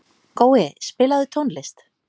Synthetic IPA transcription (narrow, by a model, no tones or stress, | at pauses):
koːwɪspɪːlaðʏt̪ʰownlɪst̪